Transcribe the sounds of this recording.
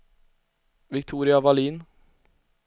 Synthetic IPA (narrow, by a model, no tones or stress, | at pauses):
vɪkt̪ʰuːɾɪavaliːn